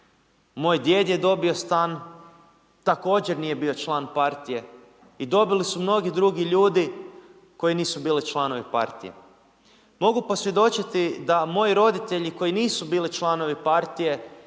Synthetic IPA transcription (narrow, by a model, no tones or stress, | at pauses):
mo̞ːjd̪je̞ːd̪jed̪o̞bio̞st̪an | t̪ako̞ːd͡ʑe̞ɾnije̞biːo̞t͡ʃlˠaːnpaɾt̪ije̞ | id̪o̞bilisumno̞ɡid̪ɾuɡiʎuːd̪i | ko̞jiniːsubiːlit͡ʃlˠano̞ʋipa̰ɾt̪ḭje̞̰ | mo̞ɡupo̞sʋje̞d̪o̞t͡ʃit̪id̪amo̞jiɾo̞d̪it̪e̞ʎiko̞jiniːsubiːlit͡ʃlˠano̞ʋipaɾt̪ije̞